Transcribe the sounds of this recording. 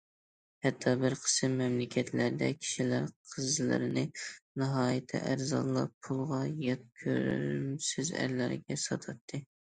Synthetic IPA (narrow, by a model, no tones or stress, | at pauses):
hɛt̪ʰːɑbɪɾqʰə̥sɨmːɛmlɪkʲʰɛt̪ʰlæɾd̪ɛkʲʰi̥ʃilæɾqʰəzlˠɨ̰ɾɪnɪnɨɦɑːjɪt̪ʰɛ̰ʔæɾzɑ̰nlˠːɑ̰pʰulˠʁɑjɑt̪̚kʲʰø̰ɾ̰ɾmsɪzæ̰ɾlæɾɡʲɛsɑt̪ʰɑt̪ʰːɨ